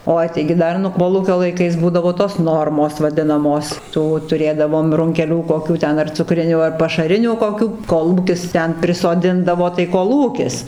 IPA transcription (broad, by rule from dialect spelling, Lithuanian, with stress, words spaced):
ˈoːɪ tɐɪɡʲɪ ˈdɐr nʊ ˈkoːlˠuːkʲoː lˠɐɪˈkɐɪs ˈbuːdɐʋoː toːs ˈnoːrmoːs ʋɐˈdʲɪnɐmoːs ˈtuː tʊˈrʲeːdɐʋoːm rʊŋʲkʲɛˈlʲuː koːˈkʲuː ˈtʲɛn ɐr t͡sʊˈkrʲɪnʲuː ɐr pɐʃɐˈrʲɪnʲuː koːˈkʲuː ˈkoːlˠuːkʲɪs ˈtʲɛn pʲrʲɪsoːˈdʲɪndɐʋoː tɐɪ koːˈlˠuːkʲɪs